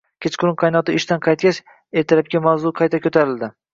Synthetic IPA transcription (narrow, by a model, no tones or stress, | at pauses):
kʲʰet͡ʃqʊɾʊnqʰɑjnɒt̪ɪɪʃt̪anqʰɑjt̪̚kʲaʃ | eɾt̪ʰɪɾap̚kʲamawzʊqʰɑjt̪ʰakʰʲot̪ʰaɾɪld̪ɪ